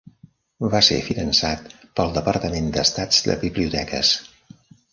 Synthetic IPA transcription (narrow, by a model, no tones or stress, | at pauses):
βasḛfinənsat̪ | pəlˠd̪əpəɾt̪əmend̪əst̪ad͡zd̪ə̰βiβliut̪ɛkə̰s